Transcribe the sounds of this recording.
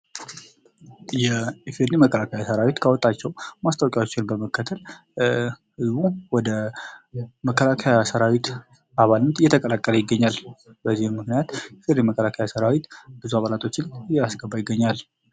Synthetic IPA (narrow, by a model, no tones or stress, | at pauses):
jɛfeɾniməkʰːəlakʰajasəɾawit̪kʰəwɔt̪ʼːat͡ʃːɛwmast̪ʼawkʼawot͡ʃːɪnbəməkʰːət̪ʰəl | hɨzβuwɔd̪ə | məkːəlakʰajasəɾawit̪ | aβalnːət̪ɨjːɛt̪ʰəkʼəlakʼːələjɪɡːəɲːalbəzːihɪnmɨknijat̪jɛfeɾniməkʰːəlakʰajasəɾawit̪bɨzuaβalat̪ʰo̞t͡ʃːɪnjɛasɡəbajɪɡːəɲːal